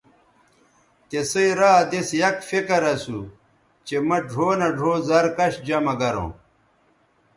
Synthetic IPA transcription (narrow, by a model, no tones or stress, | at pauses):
t̪esɐiɾaːd̪esjɐkfekɐɾɐsu | t͡ɕemɐɖʱoːnɐɖʱoːzɐɾkɐɕd͡ʑɐmɐɡɐɾõ̰ː